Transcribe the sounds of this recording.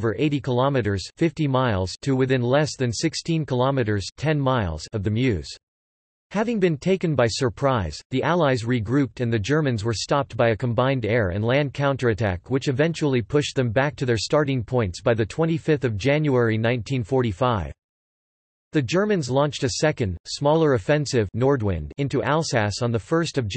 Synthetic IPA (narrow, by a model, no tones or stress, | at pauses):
və˞ʔeɪɾikʰəlɑmɨɾə˞z̥fɪftimaɪlˠz̥tʰɨwɨθɪ̃nlɛsðɨ̃nsɪkstʰĩnkʰəlɑmɨɾə˞z̥tʰɛ̃nmaɪlˠz̥ʌvðɨmjʉz̥ | hævɪ̃ŋbɨ̃ntʰeɪkɨ̃nbaɪsə˞pʰɹ̥aɪz̥ðiʔælˠaɪzɹiɡɹʉp̚tɨ̃nðɨd͡ʒɜ˞mɨ̃nzwə˞stɑp̚t̚b̥aɪɨkʰə̃mbãɪ̃ndɛɹɨ̰̃nlæ̃nd̚kʰãʊ̃ntə˞ɨtʰæ̰kwɨt͡ʃɨvɛ̃nt͡ʃul̩ˠipʰʊʃðɨ̃mbæk̚tʰɨðə˞stɑɹɾɪ̃ŋpʰɔ̃ɪ̃ntsb̥aɪðɨtʰw̥ɛ̃ɾ̃ifɪfθʌvd͡ʒæ̃njuɛɹinãɪ̃ntʰĩnfɔɹɾifaɪv̥ | ðɨd͡ʒɜ˞mɨ̃nzlɔ̃nt͡ʃtɨsɛkɨ̃nd̥smɔlˠə˞ɨfɛ̃nsɪvnɔɹd̚wɪ̰̃ndɪ̃ntuʔælˠsæsn̩ðəfɜ˞stʌvd͡ʒ